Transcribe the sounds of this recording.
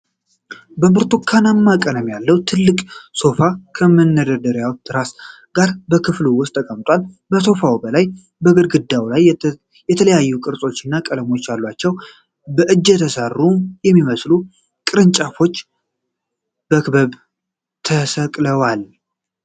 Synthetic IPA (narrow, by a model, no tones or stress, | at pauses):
bəmɨɾt̪ʰokʰːanamːakʼənəmjalːəwt̪ʰɨlːɨkʼso̞fakʰəmənːəd̪əd̪əɾjawt̪ʰːɨɾas | ɡ̥aɾbəkʰɨfluwʊst̪ʰʼːəkʼəmt̪ʼwal | bəso̞fawbəlaj | bəɡɨɾɡɨd̪ːawlajː | ɛt̪ʰələjajːukʼɨɾsʼo̞t͡ʃːɪnːakʼələmo̞t͡ʃːjalːwat͡ʃːɛw | bəʔɨd͡ʒːɛt̪ʰəsarːumjɛmːiməslu | kʼɨɾɨnt͡ʃʼafo̞t͡ʃː | b̥əkbəβ | t̪ʰəsəkʼləwal